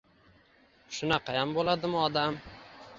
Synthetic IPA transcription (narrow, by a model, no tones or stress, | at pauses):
ʃʊnaqʰɑjambolˠad̪ɪmʊɒd̪am